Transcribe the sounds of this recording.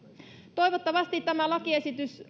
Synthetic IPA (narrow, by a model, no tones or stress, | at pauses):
t̪o̞iʋot̪ːɑʋɑst̪it̪t̪æmælɑkiesit̪ys